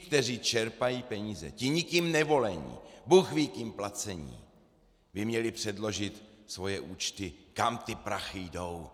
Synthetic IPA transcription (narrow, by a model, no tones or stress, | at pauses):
kt̪ɛr̝iːt͡ʃɛɾpajiːpɛɲiːzɛ̰cɪɲɪkimnɛvo̞lɛɲḭːbuxvikɲimplat͡sɛɲḭː | bɪmɲɛlɪpr̝̥ɛdlo̞ʒɪt̪svo̞jɛʔuːt͡ʃt̪ɪkamt̪ɪpɾaxɪjdo̞w